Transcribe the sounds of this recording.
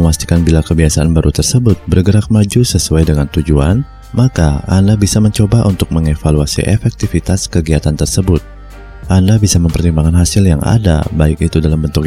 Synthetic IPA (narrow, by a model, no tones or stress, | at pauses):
əmast̪i̥kanbilakəbiasaʔanbaɾʔut̪ərsəbʊt̪̚bərɡəɾak̚mad͡ʒusəsuajdəŋant̪ud͡ʒuan | makaa̰ndabisaməɲt͡ʃobaʔunt̪ʊk̚məŋefaluasḭʔɛfɛk̚t̪ifit̪askəɡiat̪ant̪ərsəbʊt̪̚ | ʔandabisaməmpərt̪imbaŋanɦasɪljaŋʔa̰da̰baɪkit̪udalambənt̪ʊk